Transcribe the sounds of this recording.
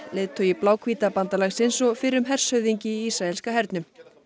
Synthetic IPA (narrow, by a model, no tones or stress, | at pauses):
leːt̪ʰːœiplaːwkʰviːt̪apant̪alɛxsensɔfɪɾʏmɦɛr̥shœɥðiɲcɪiisɾaɛlskaɦɛɾt̪nʏm